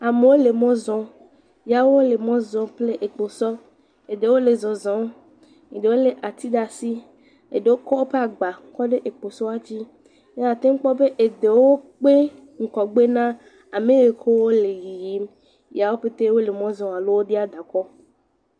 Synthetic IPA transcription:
a˨me˨wo˦le˨mɔ̃˦zɔ̃˦ | ja˨wo˦wo˦le˨mɔ̃˦zɔ̃˨˦ple˦ʔe˨k͡po˨sɔ˦ | e˨d̪e˨wo˦le˨zɔ̃˨zɔ̃˨˦ | ɲi˨d̪e˨wo˦le˨ʔa˨t̪i˦d̪a˨si˦ | ḛ˨ɖe˨wo˦kɔ˦wo˦ɸe˦a˨ɡ͡ba˨ŋ̩˦kɔ˦ɖe˦ʔe˨k͡po˨sɔ˦a˦d͡ʑi˦ | ɲe˦a˨t̪e˦ŋ̩˦k͡pɔ˦be˦ʔe˨d̪e˨wo˦k͡pe˦ | ŋ̩˨kɔ˨ɡ͡be˦nã˦ | a˨mẽ˦e˨ko˦wo˦le˨ji˨ji˦m | ja˨wo˦ɸe˦t̪e˦wo˦le˨mɔ̃˦zɔ̃˨a˨lo˦wo˦ɖe˦a˦˨d̪a˨kɔ˦

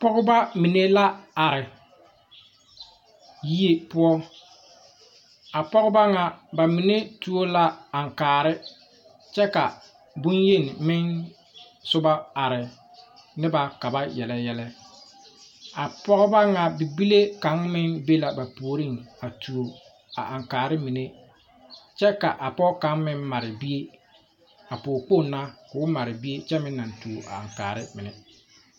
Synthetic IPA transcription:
pɔ˦ɣʊ˦ba˦mi˨ne˦la˦a˨ɾɪ˨ | ji˦e˦pʊ˦ɔ˦ | a˨pɔ˦ɣɪ˦ba˦ŋa˨ba˨mi˨ne˦tu˦o˦la˦a˨ŋ˨kaː˨ɾɪ˦ | t͡ʃɛ˦ka˨ | bʊ˦nje˦˨n˨mɪ˦n | sʊ˦ba˦a˨ɾɪ˨ | nɪ˦ba˨ka˨ba˦jɛ˨lɛ˨jɛ˨lɛ˦ | a˨pɔ˦ɣɪ˦ba˦ŋa˦˨bi˨bi˦le˦ka˨˦ŋmɪ˦nbe˦la˨ba˨poː˨˦ɾi˦˨ŋa˨tu˨o˨ | a̰˨ʔa˨ŋkaː˨ɾɪ˦mi˨ne˦ | t͡ʃɛ˦ka˨ʔa˨pɔ˦ka˨˦ŋmɪ˦nma˨ɾɪ˨bi˦e˦ | a˨poː˨k͡po˦˨na˦kʊ˨ʊ˦ma˨ɾɪ˨bi˦e˦t͡ʃɛ˦mɪ˦nː˦a˨ntu˨ʔa̰˨a̰˨ŋkaː˨ɾɪ˦mɪ˨nɪ˨

